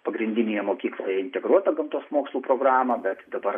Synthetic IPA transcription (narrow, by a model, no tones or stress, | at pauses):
pɐɡɾʲɪnʲd̪ʲɪnʲijɛmoːkʲiːklˠoːjɛɪnʲt̪ʲɛɡɾuɔt̪ɐɡɐmt̪uːsmoːkslˠuːpɾoːɡɾɑːmɐbʲɛt̪d̪ɐbɐr